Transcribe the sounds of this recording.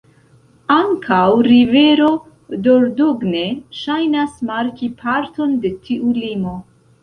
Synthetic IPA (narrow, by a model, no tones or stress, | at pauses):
aŋkʰawɾive̞ɾo̞ | do̞ɾdoɡne̞ʃajnasmaɾkipʰaɾto̞nde̞tʰiʔulimo̞